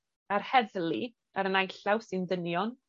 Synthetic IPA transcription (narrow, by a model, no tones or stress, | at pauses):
arhɛðlˠi | aɾənajɬawsɨndənjɔn